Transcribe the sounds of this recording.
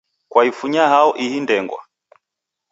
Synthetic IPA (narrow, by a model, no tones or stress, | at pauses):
kwaifuɲahaɔʔihindɛŋɡwa̰